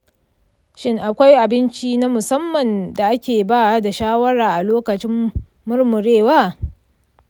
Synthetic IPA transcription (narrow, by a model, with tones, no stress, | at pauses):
ʃɪ˦ŋʔa˨kʷa˦jʔa˨bɪ˦nt͡ʃi˦na˦mʊ˨sɐ˦mːɐ˨nda˨ʔa˦kʲeː˨baː˦˨da˨ʃaː˦wɐ˦ɽaː˨ʔa˨loː˦kɐ˨t͡ʃɪ˦m | mʊ˦rmʊ˨ɽeː˦˨waː˦